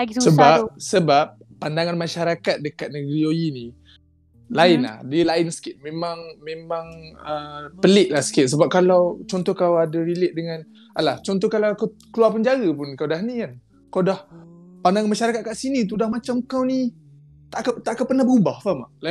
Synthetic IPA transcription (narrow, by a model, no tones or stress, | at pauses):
aɡissəbasəbap̚ːandaŋanmaʃaɾakat̪̚dəkat̪̚nəɡɾiojini | laɪnla̰hdiəlaɪnsə̥kɪt̪̚memaŋmẽmãŋəmpəlɪʔ̚lahsə̥kɪt̪̚səbap̚kalawt͡ʃɔnt̪ɔhkawadaɾilɪʔ̪̚dəŋan | aʔlaht͡ʃɔnt̪ɔhkalawakawkəluwarpəɲd͡ʒaɾəpʊnkawdaɦnikan | kawdahpandaŋanmaʃaɾakat̪̚kaʔsinit̪̬udahmat͡ʃamkawni | t̪aʔkat̪aʔkapərnahbəɾubahfamaʔla